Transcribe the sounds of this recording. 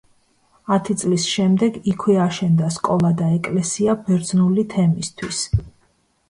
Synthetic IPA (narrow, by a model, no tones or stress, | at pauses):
at̪ʰit̪sʼlisʃɛmd̪ɛɡikʰwɛaʃɛnd̪askʼɔlˠad̪aɛkʼlɛsiabɛɾd̪znulit̪ʰɛmist̪ʰwis